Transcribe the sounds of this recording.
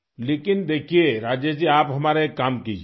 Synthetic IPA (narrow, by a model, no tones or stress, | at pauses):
leːkɪnd̪eːkʰijeɾaːd͡ʒed͡ʒiaːpɦɐmaːɾeekːaːmkiːd͡ʒi